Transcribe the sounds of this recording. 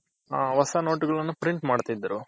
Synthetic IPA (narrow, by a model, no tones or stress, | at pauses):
aːʋɐsɐno̞ːʈɡɐɭɐnːupɾiɳʈmaːɽt̪ad̪ːɐɾu